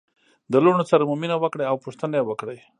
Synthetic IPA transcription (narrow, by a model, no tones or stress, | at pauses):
d̪əloɳosaɾamʊminawəkɽajawpʊʂt̪ənaewəkɽəj